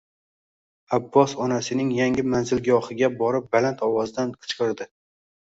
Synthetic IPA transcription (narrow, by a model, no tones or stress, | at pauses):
abːɒsɒnasɪnɪŋjaŋʲɪmanzɪlɡʲɒhɪɡʲabɒɾɪp̚balant̪ʰɒwɒzd̪anqʰɨ̥t͡ʃqɨɾd̪ɪ